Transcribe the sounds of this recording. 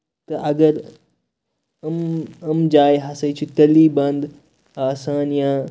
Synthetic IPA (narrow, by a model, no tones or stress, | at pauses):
t̪ɐʔɐɡəɾ | ɐmɐmd͡ʒaːjɦasɐjt͡ɕit̪ɐlːiːbɐnd̪ | aːsaːnja